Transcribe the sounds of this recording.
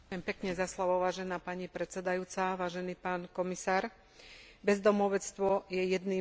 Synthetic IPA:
kʊjɛmpɛkɲɛzaslɔʋɔʊʋaːʒɛnaːpaɲipɾɛt͡sɛd̪ajuːt͡saʋaːʒɛniːpaːnkɔmisaːɾ | bɛzd̪ɔmɔʊʋɛt͡st̪ʋɔjɛjɛd̪niː

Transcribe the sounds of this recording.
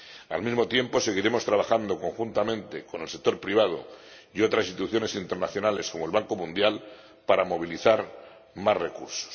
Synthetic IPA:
a̰lmizmo̞t̪je̞mpo̞se̞ɣ̞iɾe̞mo̞st̪ɾaβ̞axand̪o̞ko̞ŋxunt̪amẽ̞nt̪e̞ko̞nelsek̚t̪o̞ɾpɾiβ̞að̞o̰ | io̞t̪ɾasist̪uθjo̞ne̞sint̪eɾnaθjo̞nale̞sko̞molβaŋko̞mũnd̪jal | paɾamo̞β̞iliθaɾ | mazre̞kṵɾso̥s

